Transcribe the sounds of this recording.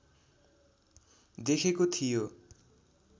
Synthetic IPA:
d̪ekʰekot̪ʰijo

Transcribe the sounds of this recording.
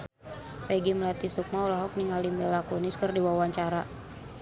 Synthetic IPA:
peɡimlat̪isuk̚maulaɦɔk̚niŋalimɛlakuniskɨrdiwawaɲt͡ʃaɾa

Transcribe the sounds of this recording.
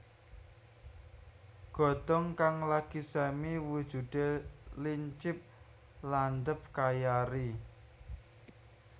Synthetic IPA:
ɡ̥ɔ̤d̪̥ɔŋkaŋlakisɛmiwud̥ʒ̥ṳd̪̥eliɲt͡ʃɪp̚ | land̪əp̚kajaɾi

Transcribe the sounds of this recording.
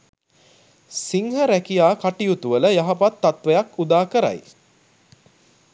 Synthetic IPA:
siŋɦəɾækijaːkaʈijut̪uʋələjaɦapat̪ːat̪ʋejakud̪aːkəɾa̰j

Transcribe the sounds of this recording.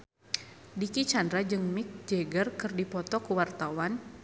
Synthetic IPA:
dikit͡ʃandɾad͡ʒɨŋmik̚d͡ʒɛɡərkɨrdipɔt̪ɔkuwart̪awan

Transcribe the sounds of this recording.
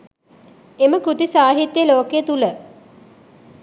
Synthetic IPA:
eməkɾut̪isaːɦit̪ːjəloːkejət̪ulə

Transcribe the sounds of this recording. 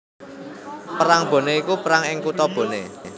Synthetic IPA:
pəɾaŋb̥o̤neikupəɾaŋɪŋkut̪ɔb̥o̤ne

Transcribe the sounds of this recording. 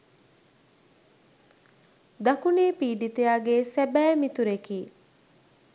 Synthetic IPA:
d̪ɐkuneːpiːɖit̪ejaːɡeːsæbæːmit̪uɾekiː

